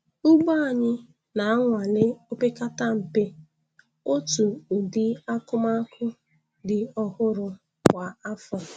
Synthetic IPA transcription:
u˦ɡ͡ba˦a˨ɲɪ˦ | na˨a˦ŋʷa˨le˦o˦pe˦ka˦ta˦m̩˨pe˦ | o˦tu˨ʊ˨dɪ˦a˦kʊ˦ma˦kʊ˦ | dɪ˨ɔ˦hʊ˦ɾʊ˨ | kʷa˨a˦fɔ˨

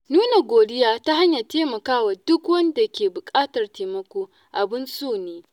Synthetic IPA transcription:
nuː˦na˨ɡʷoː˨dɪ˦jaː˦ta˦ɦa˦ɲja˨teː˦mɐ˨kaː˦wa˨dʊ˦kwɐ˦nda˨kʲeː˨bʊ˨kʼaː˦tɐ˨rteː˨mɐ˦kʷoː˦ | ʔa˨bɪ˦nsoː˦˨neː˦

